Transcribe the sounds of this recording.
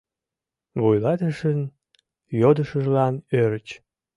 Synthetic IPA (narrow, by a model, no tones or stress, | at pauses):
βujlɑt̪əʃən | jod̪əʃəʒlɑnøɾət͡ɕ